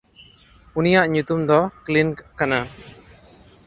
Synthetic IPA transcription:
unijaʔɲut̪umd̪ɔklinkkana

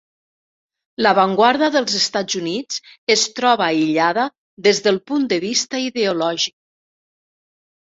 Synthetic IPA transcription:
ləβaŋɡwaɾðəðəlˠzəst̪ad͡zunid͡zəst̪ɾɔβaiʎaðə | ðezðəlˠpund̪əβist̪əiðeulɔʒik̚

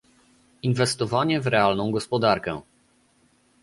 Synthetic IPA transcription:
invɛst̪ɔvaɲɛvɾɛalnɔ̃w̃ɡɔspɔd̪aɾkɛ̰

